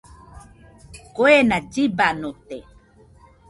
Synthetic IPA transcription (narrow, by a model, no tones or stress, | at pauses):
koenad͡ʒibanot̪e